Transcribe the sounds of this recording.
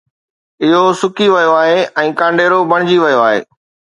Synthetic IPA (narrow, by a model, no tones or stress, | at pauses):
ɪɦosʊkiʋɐjoaːɦeɛ̃ːkãːɳɖeːɾobɐɽ̃ɪd͡ʑiʋɐjoaːɦḛː